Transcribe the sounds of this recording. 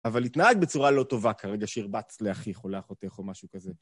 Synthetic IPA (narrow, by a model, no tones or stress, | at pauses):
avalit̪naaɡbet͡suʁalo̞t̪o̞vakʰaʁeɡaʃeiʁbat͡sleaχiχoleaχot̪eχomaʃukaze